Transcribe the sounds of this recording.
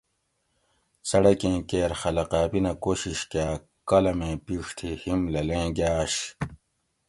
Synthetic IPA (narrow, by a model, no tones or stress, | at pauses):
sɐɽɐkẽːkeːɾxɐlɐqaːpinɐkoːɕiɕkaː | kɐlɐmẽːpiːʂt̪ʰihimlɐlẽːɡjaːɕ